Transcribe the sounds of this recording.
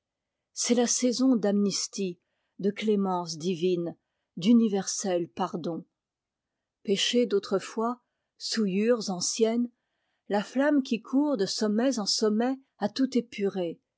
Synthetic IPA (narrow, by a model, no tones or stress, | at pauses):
sɛlasɛzɔ̃d̪amnist̪i | d̪əklemɑ̃sd̪ivin | d̪ynivɛʁsɛlpaʁd̪ɔ̃ | peʃed̪ot̪χəfwa | sujyʁzɑ̃sjɛn | laflamkʲikʰuʁd̪əsɔmɛzɑ̃sɔmɛ | at̪ut̪epʰyʁe